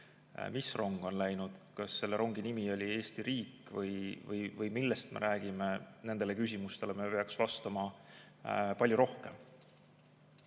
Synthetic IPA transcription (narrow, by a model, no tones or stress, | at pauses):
misro̞ŋɡ̥o̞nlæjnud̪̥kɑsːe̞lːeɾʔo̞ŋɡ̥inimio̞lʲie̞ːst̪iɾiːkːvɯjvɤjvɯjmilːest̪me̞̰ɾʔæːɡ̥ime̞ne̞nd̪ele̞kys̬ʲimust̪e̞le̞mepe̞ɑksvɑst̪ɑmɑ | pɑlʲjuɾo̞hke̞m